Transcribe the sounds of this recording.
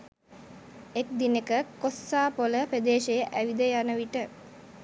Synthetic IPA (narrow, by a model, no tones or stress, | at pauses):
ek̚d̪inekəkosːaːpoləpɾed̪eːʃejəʔæʋid̪əjanəʋiʈə